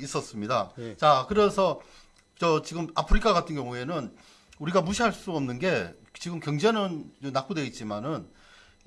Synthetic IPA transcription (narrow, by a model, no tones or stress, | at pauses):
is͈ʌs͈ɯmɲidat͡ɕakɯɾe̞sʰʌ | t͡ɕʌt͡ɕiɡɯmapʰɯɾikʰaɣatʰɯnɡjʌŋue̞nɯn | uɾiɡamuɕʰiɦaɭs͈uʌmnɯnɡe̞ | t͡ɕiɡɯmkjʌŋd͡ʑe̞nɯnɯnak͈odwe̞it̚t͡ɕ͈imanɯn